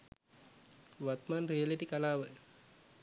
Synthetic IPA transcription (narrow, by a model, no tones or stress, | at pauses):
ʋat̪maːnrijəliʈikalaːʋə